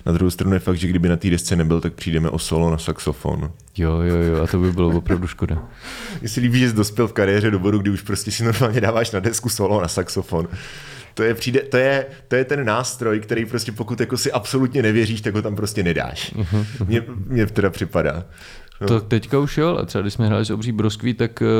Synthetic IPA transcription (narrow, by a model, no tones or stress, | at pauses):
nad̪ɾuɦowst̪ɾanujɛfaɡ̚d̪ʒɛɡdɪbɪnat̪iːdɛst͡sɛnɛbɪlt̪ak̚pr̥iːdɛmɛ̰ʔosolonasaksofo̰n | jojojjoat̪obɪbɪlovopɾavduʃkoda | mɲɛsɛliːbiːʒɛs̬do̞spjɛlfkaɾɪjɛːrɛdobo̞ɾuɡ̚dɪuʃpɾoscɛsɪnoɾmaːlɲɛdaːvaːʃnadɛskusolonasaksofon | t̪ojɛpr̝iːdɛt̪o̞jɛt̪ojɛt̪ɛnːaːst̪ɾo̞jkt̪ɛɾɛjpɾoscɛpo̞kut̪jakosɪʔapso̞lut̪ɲɛnɛvjɛriːʃt̪akɦot̪ampɾoscɛnɛda̰ːʃɦmɲɛmɲɛt̪ɛɾapr̥ɪpada̰ː | nt̪ot̪ɛckauʃjola̰t̪ɾ̥ɛbaɡdɪʃsmɛɦɾa̰ːlɪsobriːbɾoskʋit̪ak